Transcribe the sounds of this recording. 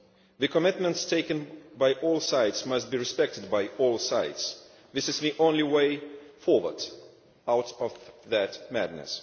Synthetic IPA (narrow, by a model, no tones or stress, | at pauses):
ðɨkəmɪt̚mɨ̃ntstʰeɪkɨ̃nbaɪʔɔlˠsaɪtsmʌst̚b̥iɹɨspɛk̚tɨd̚baɪɔlˠsaɪts | ðɪsɨzðiʔõʊ̃nliweɪfɔɹwə̰˞d | aʊɾʌvðɨtmædⁿnɨ̰s